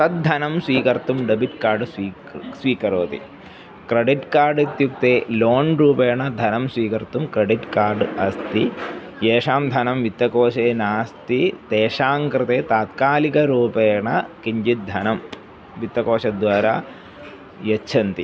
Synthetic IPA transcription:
t̪ɐt̪̚d̪ʱɐnɐmsʋiːkɐɾt̪umɖɐbiʈkaːɾɖsiː | sʋiːkɐɾoːt̪ḭ | kɾɐɖiʈkaːɾɖit̪juk̚t̪eːloːnɾuːpeːɳɐd̪ʱɐnɐmsʋiːkɐɾt̪umkɾɐɖiʈkaːɾɖɐst̪ieːʂaːmd̪ʱɐnɐmʋit̪ːɐkoːʃeːnaːst̪it̪eːʂaːŋkɾɨt̪eːt̪aːt̪kaːlikɐɾuːpeːɳɐkiɲd͡ʒit̪̚d̪ʱɐnɐm | ʋit̪ːɐkoːʃɐd̪ʋaːɾaː | jɐtːt͡ʃʰɐnt̪i

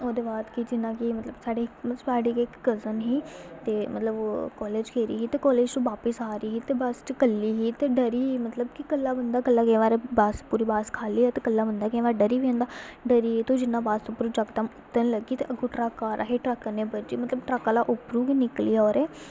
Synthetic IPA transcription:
oːd̪eːbaːd̪kid͡ʒɪnãːkimət̪ləbsaːɖeːməsaːɖeːkɪkɡəzənɦiːt̪eːmət̪ləbkɔːleːd͡ʒkʰeːɾḭːɦiːt̪eːkɔːleːd͡ʒt̪õːʋaːpəsaːɾiːɦiːt̪eːbəst͡ʃkəlːiːɦiːt̪eːɖəɾiːmət̪ləbkikəlːaːbənd̪aːkəlːaːkẽːʋaːɾeːbaːspuːɾiːbaːskʰaːliːɛt̪eːkəlːaːbənd̪aːkẽːʋaːɾɖəɾiːʋẽːnd̪aːɖəɾiːt̪õːd͡ʒɪnːãːbaːst̪opɾuːd͡ʒəkt̪əmʊt̪ːənləɡiːt̪ḛʔəɡoːʈɾaːkaːɾʔa̰ːɦeːʈɾəknẽːbəd͡ʒiːmət̪ləbʈɾəkalaːʔʊpɾũːkinɪkliːɔːɾɛː

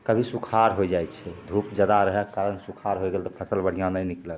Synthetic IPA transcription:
kəbʱisukʰaɾɦojd͡ʒajt͡ʃʰɛd̪ʱupd͡ʒəd̪aɾəɦɛkaɾənsukʰaɾɦojɡelt̪ɔpʰəsəlbəɽ̤ijãnəjnikləl

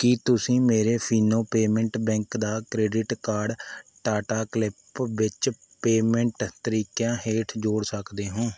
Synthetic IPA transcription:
kit̪ʊsĩːmeːɾeːpʰiːnoːpeːmɛ̃ɳʈbɛ̃ːŋkd̪aːkɾeːɖɪʈkaːɖʈaːʈaːklɪpʋɪt͡ʃ | peːmɛ̃ɳʈt̪əɾiːkjãːɦeːʈʰd͡ʒoːɽsəkd̪eːɦõː

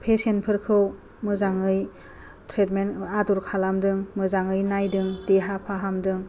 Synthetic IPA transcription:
pʰesenpʰɯɾkʰɯw | mɯzaŋɯj | tʰɾetmenaduɾkʰalamdɯŋmɯzaŋɯjnajdɯŋdeɦapʰaɦamdɯŋ

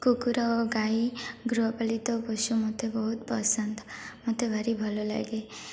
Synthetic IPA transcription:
kukuɾɔoɡajiɡɾuɦɔpalit̪ɔpɔsumot̪ʰebɔɦut̪pɔsənt̪ɔmot̪ʰebʱaɾibʱɔlola̰ɡe

